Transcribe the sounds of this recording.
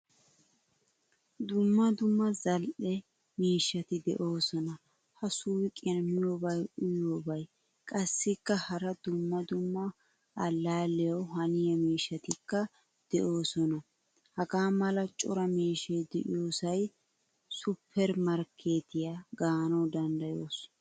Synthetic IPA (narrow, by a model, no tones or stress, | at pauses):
d̪ʊmːɐd̪ʊmːɐzɐlʔɛ | miːʃːɐt̪ɪd̪ɛ̰ʔo̞ːsɔnɐ | hɐsuːkʼɪɐnmɪjobɐjʔʊjoːbɐj | kʼɐsːɪkːɐhɐɾɐd̪ʊmːɐd̪ʊmːɐ | ɐlːaːlːɛjɐwhɐnɪjɐmiːʃːɐt̪ɪkːɐ | d̪̥ɛʔo̞ːsɔnɐ | hɐɡaːmɐlɐt͡ʃʼʊ̰ɾɐmiːʃejd̪ɛʔɪ̰joːsɐj | sʊpʰːɛɾmɐɾkʰeːt̪ɪjaɡaːnɐwd̪ɐnd̪ɐjoːs